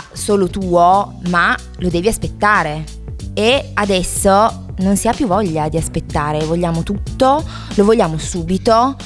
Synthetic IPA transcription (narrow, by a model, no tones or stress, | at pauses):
soːlot̪uːoma | lod̪ɛːviaspet̪ːaːɾe | ead̪ɛsːo | nonsiapːjuvːɔʎːad̪iaspet̪ːaːɾevoʎːaːmot̪ut̪ːo | lovoʎːaːmosuːbit̪o